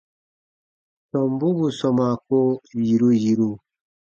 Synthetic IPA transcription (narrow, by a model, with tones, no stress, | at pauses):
sɔ˨mbu˦βu˨sɔ˨ma˨ko˦ji˨ɾu˦ji˨ɾu˦